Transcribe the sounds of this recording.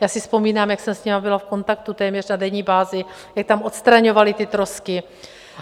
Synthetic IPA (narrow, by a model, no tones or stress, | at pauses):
jaːsɪspo̞miːnaːmjaksɛmsɲɛmabɪlafko̞nt̪akt̪ut̪ɛːmɲɛrnadɛɲiːbaːzɪ | jak̚t̪amot̪st̪ɾaɲo̞valɪt̪ɪt̪ɾoskɪ